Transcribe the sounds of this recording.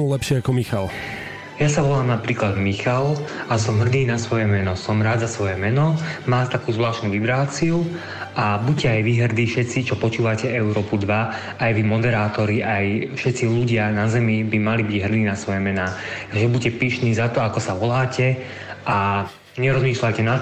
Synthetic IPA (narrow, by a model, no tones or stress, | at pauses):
ulɛpʃɪɛakɔmixal | jasaʋɔlaːmnapɾiːklad̪mixalasɔmɦr̩d̪iːnasʋɔjɛmɛnɔsɔmɾaːd̪zasʋɔjɛmɛnɔmaːt̪akuːzʋlaːʃnuːʋibɾaːt͡siu | abucɛajʋiɦr̩d̪iːfʃɛt̪t͡sit͡ʃɔpɔt͡ʃuːʋacɛɛʊɾɔːpud̪ʋaː | jʋimɔd̪ɛɾaːt̪ɔɾiʔajfʃɛt̪t͡siluɟɪanazɛmibimalibiɟɦr̩d̪iːnasʋɔjɛmɛnaːʒɛbucɛpiːʃniːzat̪ɔakɔsaʋɔlaːcɛ | ʔa | ɲɛɾɔzmiːʃlacɛna